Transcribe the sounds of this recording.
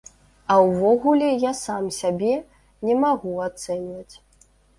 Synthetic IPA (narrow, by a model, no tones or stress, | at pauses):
ɐwvɔɣulʲɛjasamsʲabʲɛ | nʲɛmaɣuat̪sɛnʲvɐt͡sʲ